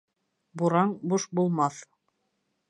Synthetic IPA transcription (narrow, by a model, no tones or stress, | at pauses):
buɾɑɴbuʃbulˠmɑθ